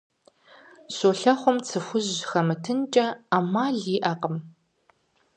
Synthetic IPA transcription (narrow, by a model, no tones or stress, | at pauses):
ɕoɬɐχʷɔmt͡sʰɨxʷʊʑxɐmɨtʰɨnt͡ʃʼɐamaːɮiːʔɐqʼəm